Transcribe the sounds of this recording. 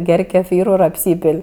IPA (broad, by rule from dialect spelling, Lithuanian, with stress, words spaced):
ˈɡʲɛrʲ kʲɛˈfʲiːrʊ ɪr ɐpʲˈsʲiːpʲeːlʲ